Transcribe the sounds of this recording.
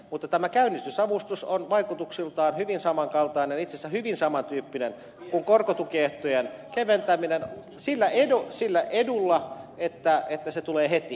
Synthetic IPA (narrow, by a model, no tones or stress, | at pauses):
mut̪ːɑt̪æmækæynːˑist̪ysɑʋust̪usonʋɑikut̪uksilt̪ɑːnhyʋinsɑmɑŋkɑlt̪ɑinenit̪sesːæhyʋinsɑmɑnt̪yːpːinen | kuŋkorkot̪ukieht̪ojenkeʋent̪æminen | silːæedosilːæʔedulːɑet̪ːæet̪ːæset̪uleːhet̪i